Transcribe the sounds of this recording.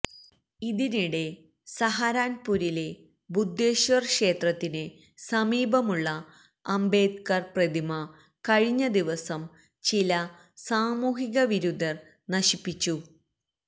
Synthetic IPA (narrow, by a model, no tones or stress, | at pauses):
iðiniɽe̞ | sɐɦaːɾaːnpuːɾile̞ | bud̪ʱːeːɕʋɐrkʂe̞ːt̪rɐt̪ːine | sɐmiːbʱɐmuɭːɐ | ɐmbe̞ːd̪kɐrprɐd̪imɐ | kɐɻiɲːɐd̪iʋɐsɐm | t͡ɕilɐ | saːmuːɦiɣɐʋiɾud̪ɐr | nɐɕipːit͡ɕːu